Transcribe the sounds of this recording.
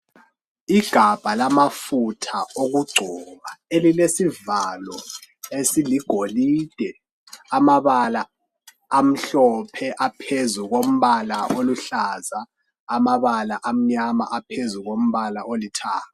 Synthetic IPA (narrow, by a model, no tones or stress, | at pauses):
iɡ̥ʱab̥ʱalamafutʰaoɣuɡ͡ǀʱɔβaelilesivalɔesiliɡ̥ʱoliːd̥ʱɛ | amaβalaː | m̩ɬɔpʰɛʔapʰezuɣom̩βalaʔoluɬazaː | maβalaʔam̩ɲama̰ʔapʰezuɣom̩βalaʔolitʰaːka